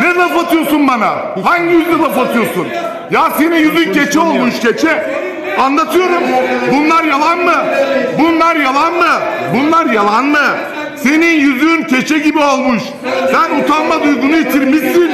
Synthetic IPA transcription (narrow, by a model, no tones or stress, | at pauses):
nɛzafat̪ʰɯjo̞sunbana̰ | haɲɟijyznɛzafat̪ʰɯjo̞sun | jaseninjyzyncet͡ʃʰɛo̞lˠmuʃcʰet͡ʃʰɛ | anlˠat̪ʰɯjo̞ɾumbunlˠaɾjalˠanmɯbunlˠaɾjalˠanmɯbunlˠaɾjalˠanmɯ | se̞ninjyzyncʰet͡ʃʰɛɟibiolˠmuʃ | sænut̪ʰanmad̪ujɡunujit̪ʰiɾmisin